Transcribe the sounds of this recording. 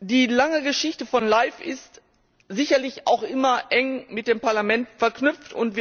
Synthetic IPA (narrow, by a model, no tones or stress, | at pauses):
d̥iːlaŋəɡəʃɪçtəfɔnlaɪfɪst | zɪçɐlɪça̰ʊxʔɪmɐʔɛŋmɪt̚d̥eːmpaɐlamɛntfɛɐknʏpp͡ftʊ̰ntv̥iː